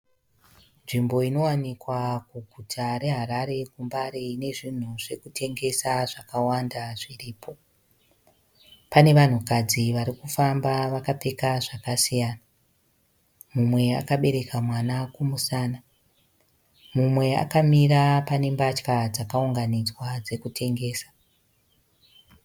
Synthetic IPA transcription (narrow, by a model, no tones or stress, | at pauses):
nʐimbo̞ino̞wanikwakuɡʱutʰaɾe̞ɦaɾaɾe̞kumbaɾeine̞ʐin̤uʐe̞kutʰe̞ŋɡe̞saʐakawandaʐiriːpʰo̞ | pane̞ʋan̤ukad͡ziʋaɾikufambaʋakape̞kaʐakasijaːna | mumwe̞a̰kaɓe̞ɾe̞kamwanakumusaːna | mumwe̞a̰kamirapane̞mbat͡ʃkad͡zakauŋɡanid͡zwad͡ze̞kutʰe̞ŋɡe̞ːsḁ